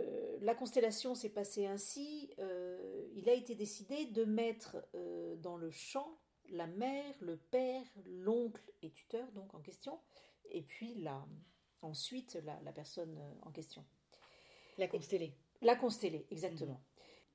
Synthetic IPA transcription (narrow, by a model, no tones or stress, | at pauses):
lakɔ̃st̪ɛlasjɔ̃sɛpaseɛ̃siøilaet̪ed̪esid̪ed̪əmɛt̪χød̪ɑ̃ləʃɑ̃ | lamɛʁləpɛʁlɔ̃klet̪y̥t̪œʁd̪ɔ̃kɑ̃kʲɛst̪jɔ̃epɥila | ɑ̃sɥit̪la̰la̰pɛʁsɔnø̰ɑ̰̃kʲɛst̪jɔ̃ | lakst̪elelakɔ̃st̪eleʔɛɡzak̚t̪əmɑ̃